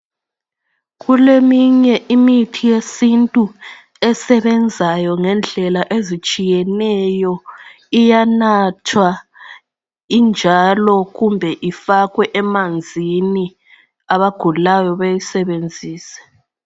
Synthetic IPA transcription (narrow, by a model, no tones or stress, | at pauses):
ɣulemiɲɛʔimitʰijesintʼu | ɛsɛβɛnd͡zʱajɔŋɛnd͡ɮʱɛlaʔezit͡ʃʼijɛnɛjɔ | ijanatʰwa | ind͡ʒʱalɔɣumbʱɛʔifaɣwɛʔɛmand͡zʱini | aβaɡ̥ʱulajɔβejisɛβend͡zʱiːsɛ̥